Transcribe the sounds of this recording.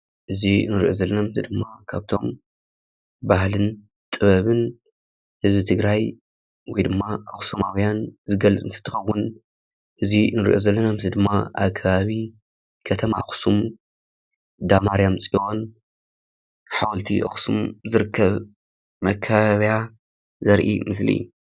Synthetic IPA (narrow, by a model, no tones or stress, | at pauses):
ʔɨzinɨɾʔozɐlːɐnamzid̪ɨmːakʰaβt̪ʰo̞m | bahlɨn | t̪ʼɨβɐβɨn | hɨzbit̪ʰɨɡɾaj | wɔjd̪ɨmːaʔɐxsumawjanzɨɡɐlɐt͡sʼɨnt̪ʰɐ̥t̪ʰːɨxɐwːʊn | ʔɨzinɨɾʔozɐlːɐnamzid̪ɨmːaʔa̰βkʰɐβaβi | kʰɐt̪ʰɐmaxsum | d̪amaɾjamt͡sʼion | ħawɔlt̪ʰiʔɐ̰xsumzɨɾɨkʰːɐβ | mɐkʰːaβaβja | zɐɾʔḭmɨs̬lḭ